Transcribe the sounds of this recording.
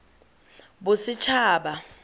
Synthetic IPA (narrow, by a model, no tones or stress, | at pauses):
bʊsɪt͡ʃʰaːɓa